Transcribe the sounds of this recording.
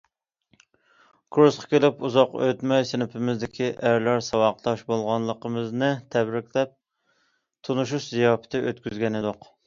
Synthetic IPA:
kʰɾusqʰɑ̥kʲelɪpuzɑqø̰t̪mɛjsɪnɪpʰɪmɪzd̪ɪkʲʰiʔæɾlæɾsɑwɑq̚t̪ɑʃbolˠʁɑnlˠəqəmɨznɨt̪ʰɛbɾɪkʲlɛp̚ | t̪ʰunuʃ̬uʃzijɑːpʰɪ̥t̪ʰɪʔøt̪kʲʰyzɡʲɛnɪd̪ʊq

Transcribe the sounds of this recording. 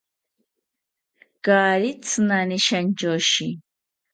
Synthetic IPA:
ɡ̥aːɾit͡sʰɨnaniʃand͡ʒɔʃi

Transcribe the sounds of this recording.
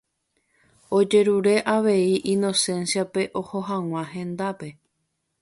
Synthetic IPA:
o̞d͡ʒe̞ɾuɾe̞ʔaʋe̞iʔino̞sẽ̞nsiape̞ʔo̞ho̞ɦãw̃ãɦẽ̞nd̪ape̞

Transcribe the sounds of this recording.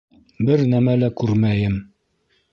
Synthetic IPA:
bɘɾnæmælækʉɾmæjɘm

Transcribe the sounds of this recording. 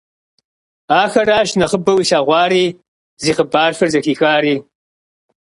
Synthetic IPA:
aːxɐraːʃnɐχəbɐwiːɬaːʁʷɑːɾiː | ziːqəbaːrfɐrzɐxiːxaːɾiː

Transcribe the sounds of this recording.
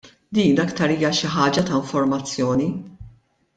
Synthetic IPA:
d̪iːnɐkt̪ɐɾiːjɐʃɪħɐːd͡ʒɐt̪ɐɪɱfɔɾmɐt͡sːjɔːni

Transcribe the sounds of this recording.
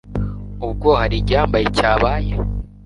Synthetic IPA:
ub̚ɡohaɾiɟaːmbajecaːβaːje

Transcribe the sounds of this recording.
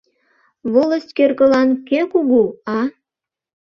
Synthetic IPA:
βoləst̪ʲkerɣə̆lɑnkekuɣuɑ

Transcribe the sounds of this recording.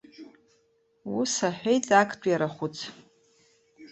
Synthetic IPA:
wusaħʷᶣejt͡sʼakʰʼtʷʼjaɾaχʷʊt͡sʰ

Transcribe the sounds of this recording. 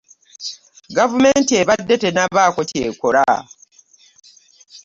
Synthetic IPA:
ɡavume̞ːntieβadːe̞te̞naβaːko̞ce̞ːkoɾa

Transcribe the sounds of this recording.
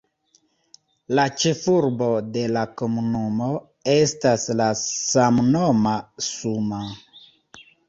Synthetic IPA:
lat͡ʃe̞fuɾbode̞lakomunumo̞ | e̞staslasamnomasuma

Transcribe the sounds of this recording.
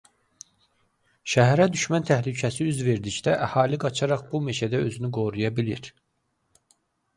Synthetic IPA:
ʃæɦæɾæd̪yʃmænt̪ʰæhlycʰæsiyzve̞ɾd̪icd̪æʔæhɑːliɡɑt͡ʃʰɑɾɑχbume̞t͡ʃʰæd̪æø̞̰zynyɡo̞ɾujɑbilḭɾ

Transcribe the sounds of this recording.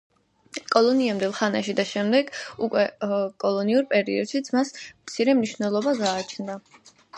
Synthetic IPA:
kʼɔlˠɔniamd̪ɛlˠχana̰ʃid̪aʃɛmd̪ɛɡ̥ukʼwɛkʼɔlˠɔniuɾpʼɛɾiɔd̪ʃit̪sʰmasmt̪sʰiɾɛmniʃvnɛlˠɔbaɡaːt͡ʃʰnd̪a

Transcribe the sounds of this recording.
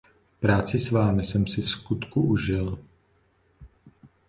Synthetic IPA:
pɾaːt͡sɪsvaːmɪsɛmsɪfskut̪kuʔuʒɪl

